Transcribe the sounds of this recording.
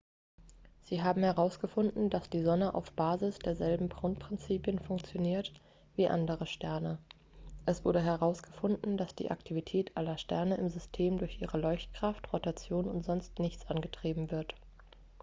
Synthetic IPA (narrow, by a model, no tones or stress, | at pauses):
z̥iːɦaːbm̩hɛʁaʊsɡ̥əfʊndn̩d̥asd̥iːzɔnəʔa̰ʊfb̥aːzɪsd̥eːɐzɛlbm̩pʁ̥ʊntpʁ̥ɪnt͡siːpjənfʊŋkt͡sjoniːɐt | v̥iːʔa̰ndəʁəʃtɛɐnə | ʔɛsv̥ʊɐdəɦɛʁaʊsɡ̥əfʊndn̩dasd̥ḭːʔa̰ktʰivitʰɛːtʔalɐʃtɛɐnəɪmzʏstʰeːmdʊɐçʔiːʁəlɔʏçt̚kʁ̥aftʁotat͡sjoːnʊntz̥ɔnstnɪçt͡sʔanɡətʁ̥iːbm̩vɪɐt